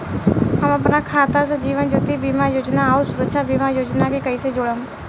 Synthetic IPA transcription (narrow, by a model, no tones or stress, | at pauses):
əməpnaːkʰaːt̪as̬əd͡ʒiːʋənd͡ʒot̪iːbiːmaːjoːd͡ʒnaːosʊɾəkʃaːbiːmaːjoːd͡ʒnaːkeːkəiːseːd͡ʒoːɽəm